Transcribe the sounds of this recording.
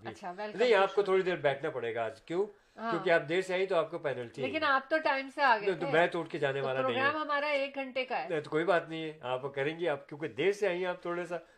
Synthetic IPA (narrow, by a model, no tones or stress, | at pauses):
bʱʃʰanɐɦĩaːp̚kot̪ʰoːɽid̪eːɾbɛːʈʰnapɐɽeːɡaːd͡ʒkjõː | ɦakːjõːkeaːp̚d̪eːɾseaːĩt̪oaːp̚kopɛːnəlʈʰieːkɪnaːp̚t̪oʈaːɪmseaːɡɐt̪mɛ̃ːt̪oːʈked͡ʒaːneʋaːlaɾoɐɦĩɡɾaːmɦɐmaːɾaeːk̚ɡʱɐ̃ɳʈekaɛñt̪okoːibaːt̪nɐɦĩɦɛaːpkɐɾẽːŋɡiaːp̚kjõːked̪eːɾseaːɦĩaːp̚t̪ʰoːɽasa